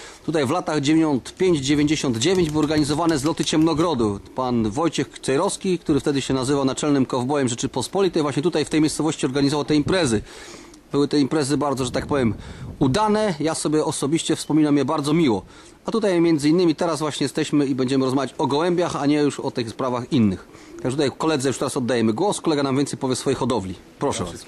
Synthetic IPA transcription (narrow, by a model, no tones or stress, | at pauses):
t̪ut̪ajvlat̪aɣd͡ʑevʲeɔnt̪pʲjeɲd͡ʑd͡ʑevʲeɲd͡ʑeɕɔnd̪d͡ʑevʲeɲd͡ʑbɘwɔɾɡaɲizɔvanɛzlɔt̪ɘt͡ɕɛmnɔɡɾɔd̪upanvɔjt͡ɕɛxsɛjɾɔskʲikt̪uɾɘft̪ɛd̪ɘɕɛnazɘvawnat͡ʂɛlnɘmkɔvbɔjɛmʐɛt͡ʂɘpɔspɔlʲit̪ɛjvwaɕɲɛt̪ut̪ajft̪ɛjmʲjejst̪sɔvɔɕt͡ɕiɔɾɡaɲizɔvawt̪ɛimpɾɛzɘ | bɘwɘt̪ɛimpɾɛzɘbaɾd̪ɔʐɛt̪ak̚pɔvʲjɛmud̪anɛjasɔbʲjɛɔsɔbʲiɕt͡ɕɛfspɔmʲinamjɛbaɾd̪ɔmʲiwɔ | at̪ut̪ajmʲjɛnd̪zɘinːɘmʲit̪ɛɾasvwaɕɲɛjɛst̪ɛɕmɘibɛɲd͡ʑɛmɘɾɔzmavʲjat͡ɕɔɡɔwɛmbʲjaxaɲɛjuʂɔ̰t̪ɘxspɾavaxinːɘx | t̪aɡʐɛt̪ut̪ajkɔlɛd̪zɛjuʂt̪ɛɾasɔd̪ːajɛmɘɡwɔskɔlɛɡanamvʲɛnt̪sɛjpɔvʲjɛsfɔjɛxɔd̪ɔvlʲi | pɾɔʂɛv̰as